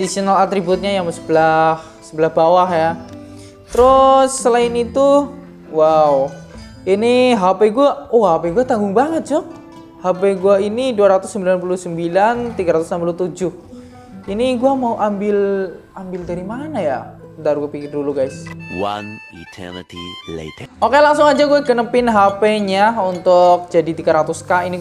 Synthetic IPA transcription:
disionalat̪ɾibut̪̚ɲajaŋmsəbəlah | səbəlahb̥awahja | t̪əɾʊsːəlaɪnit̪u | wawu | iniɦapeɡuaoɦapeɡuat̪aŋɡʊŋbaŋət̪̚d͡ʒɔk̚ | hapeɡuainiduaɾat̪ʊsːəmbilanp̬uluhsəmbilant̪iɡaɾat̪ʊsnampulut̪ud͡ʒʊh | iniɡuamauʔambɪl | ambɪldaɾimanaja | daɾuɡapikɪrduluɡajswa̰n | ḭtʰɛ̰nə̰tʰḭlḛtəʔokelaŋsʊŋad͡ʒaɡuaɡənəpɪnɦapeɲaunt̪ʊk̚d͡ʒadit̪iɡaɾat̪uskaini

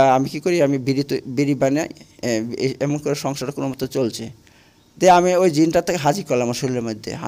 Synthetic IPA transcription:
amikikoɾiamibiɾit̪obiɾibana̰j | ɛmonkoɾeʃɔŋʃaɾakonomɔt̪ot͡ɕolt͡ɕʰe | t̪eamiojd͡ʑinʈat̪ʰːekeɦad͡ʑikoɾlamaʃolileɾmod̪ʱːḛɦa̰

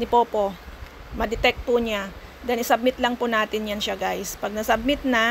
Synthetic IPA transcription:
nɪpopo̞ | mɐd̪ɪt̪ɛk̚t̪̚pʊɲa | d̪ɐnɪsɐb̚mɪt̪̚lɐŋpʊnaːt̪ɪnjanʃaɡajspɐɡ̚nɐsɐb̚mɪt̪̚nɐ

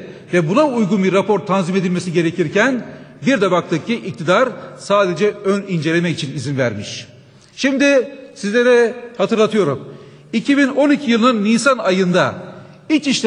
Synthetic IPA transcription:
vɛbunaujɡunbiɾːapʰo̞ɾt̪ʰanzimed̪ilʲme̞siɟe̞ɾecʰiɾcʰænbiɾd̪ɛbak̚t̪ʰɯk̚cʰiʔic̚t̪ʰid̪aɾsaːd̪e̞d͡ʒɛønind͡ʒe̞lʲe̞mɛit͡ʃʰinizinvæɾmiʃ | ʃimd̪ɪsizlʲe̞ɾɛhat̪ɯɾlˠat̪ʰɯjo̞ɾum | icʰibino̞nicʰijɯlˠɯnɯnːiːsanajɯnd̪ait͡ʃiʃlʲ

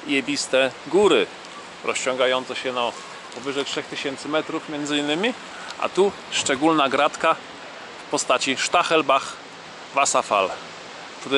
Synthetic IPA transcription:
jɛbʲist̪ɛɡuɾɘ | ɾɔst͡ɕɔ̃ŋɡajɔnt̪sɛɕɛnɔ | pɔvɘʐɛjtʂɛxt̪ɘɕɛnt̪sɘmɛt̪ɾufmʲjɛnd̪zɘinːɘmʲi | ʔa̰t̪u | ʂt͡ʂɛɡulnaɡɾat̪ka | fpɔst̪at͡ɕiʂt̪axɛlbax | vasafa̰l | t̪u

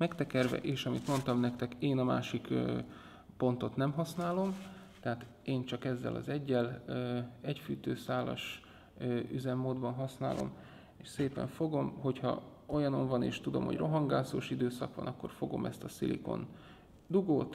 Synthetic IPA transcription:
mɛkt̪ɛkɛrvɛ̰ʔeːʃɒmit̪mo̞nt̪ɒmnɛkt̪ɛkeːnɒma̰ːʃikː | po̞nt̪o̞t̪nɛmɦɒsnaːlo̞m | t̪ɛɦaːt̪ | eːnt͡ʃɒkɛzːɛ̰lʔɒ̰zɛɟːɛlː | ɛcfyːt̪øːsaːlɒ̰ʃ | yzɛmːoːd̪bɒnɦɒsna̰ːlʔo̞̰m | eːʃseːpɛ̰ɱfo̞ɡo̞mɦo̞chɒ̰o̞jɒno̞ɱvɒnḛːʃt̪ud̪o̞̰mho̰ɟrʔo̞ɦɒŋɡaːsoːʃid̪øːsɒkʋɒ̰nɒkːo̞̰rfo̞ɡo̞̰mɛst̪ɒsilḭko̰n | d̪uɡoːt̪

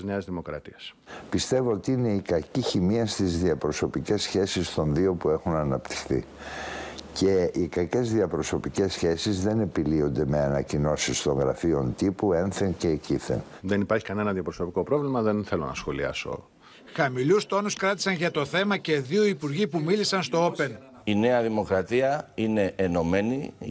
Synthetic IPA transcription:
zneɐzðimo̞kɾɐ̰t̪iɐs | pist̪e̞vo̞ot̪iine̞ikɐciçimiɐst̪izðiɐpɾo̞so̞pice̞sçe̞sist̪o̞nðio̞pue̞xunɐnɐpt̪i̥xθḭ | ce̞ikɐce̞zðiɐpɾo̞so̞pice̞sçe̞sizðe̞ne̞pilio̞nd̪e̞me̞ɐnɐcino̞sist̪o̞ŋɣɾɐ̰fio̞nt̪ipue̞nθence̞ːciθḛnðenipɐɾçikɐne̞nɐðiɐpɾoso̞piko̞pɾo̞vlimɐðe̞nθe̞lo̞̰nɐ̰sxo̞liɐ̰so̰ | xɐmilust̪o̞nuskɾɐt̪isɐnʝɐt̪o̞θe̞mɐce̞ðio̞ipuɾʝipumilisɐnst̪o̞ope̞n | ine̞ɐðimo̞kɾɐt̪iɐine̞ʔːno̞me̞ni

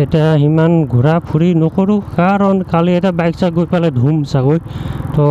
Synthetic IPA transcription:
etijaɦimanɡʱuɹapʰuɹinɔkɔɹukaɹɔnkaliɛtiabajksaɡojpaladʱumsaɡojtɔ

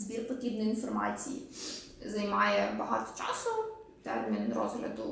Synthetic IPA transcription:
zbʲirpɔt̪ɾʲibnɔjinfɔrmat͡sʲijḭ | zɐjmɑjɛbɐɦɑ̰t̪ɔ̥t͡ʃɑsɔm | t̪ɛmʲɛnɛnɾɔ̰zɦlʲɐ̰d̪ʊ

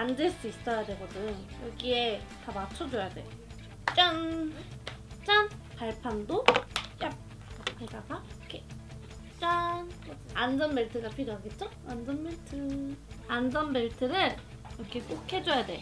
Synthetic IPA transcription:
andeɭs͈uis͈ʌjadwe̞ɡodɯnjʌɡie̞tamat͡ɕʰʌd͡ʑojadwe̞̰jo | t͡ɕ͈ʌn | t͡ɕ͈ʌnpaɭpʰandot͡ɕ͈ap̚ | tʰeɡaɡakʰe | t͡ɕ͈anʌand͡ʑʌnbe̞ɭtʰɯɡapʰiɾjoɦaɡet̚t͡ɕ͈o | and͡ʑʌnbeɭtʰɯand͡ʑʌnbeɭtʰɯɾɯɭ | ɾʌkʰe̞k͈okʰe̞d͡ʑojadwe̞̰o

